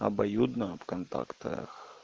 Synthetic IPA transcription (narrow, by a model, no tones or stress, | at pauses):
ɐbajud̪nɐpkant̪a̰kt̪ɐ̰x